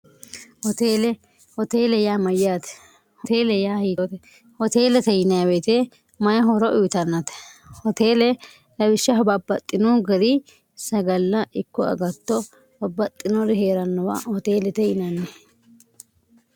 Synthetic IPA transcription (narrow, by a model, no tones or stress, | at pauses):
hɔt̪eːlɛ | hɔt̪eːlɛjaːmɐjaːt̪ɛ̥ | hɔt̪eːlɛjaːhiːt̪ɛ | hɔt̪e̞ːlɛt̪ɛjɪnɐjabeːt̪eː | mɐjɐɦɔɾɔʔʊjt̪ɐnːɐt̪ɛ̥hɔt̪eːlɛ | lɐbɪʃːɐɦɔbɐbɐt̪ʼːɪnuːɡɐɾi | sɐɡɐlːɐʔɪkːɔɐ̰ɡɐt̪ːɔ | bɐbɐt̪ʼːɪnɔɾɪɦeːɾɐnːɔwa̰ːhɔt̪eːlɛt̪ɛjɪnɐne